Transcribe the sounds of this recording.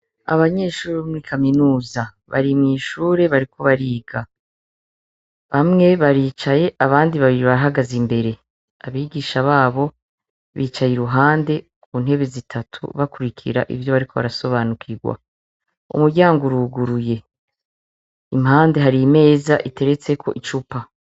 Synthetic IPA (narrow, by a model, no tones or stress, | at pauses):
a̰βaɲe̞ːʃuːɾβomuɾikʰaminuːza | βa̰ɾimŋiːʃuːɾe̞βaɾiko̞βaɾiːɡa | βamŋe̞βaɾiːt͡ʃaje̞ʔaβaːndiβaβiɾiβaɾaɦaɡazimbe̞ɾe̞ | aβiːɡiːʃaβaːβo̞ | βiːt͡ʃajiɾuɦaːnde̞ | kʰuːnhe̞βe̞zitʰatʰṵβakuɾikʰḭɾa̰ʔḭvjo̞βaɾikʰo̞βa̰ɾaso̞βaːnukʰiɡwa̰ | ṵmuɾɟaːŋɡoɾuɡuɾuje̞ | imɦaːnde̞ɦaɾiːme̞ːzaʔite̞ɾe̞t͡se̞kʰo̞̰ʔit͡ʃupa